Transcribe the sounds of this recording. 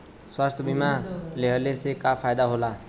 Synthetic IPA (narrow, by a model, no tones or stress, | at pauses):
swast̪ʰʌbimaleɦʌlesekapʰajd̪aɦola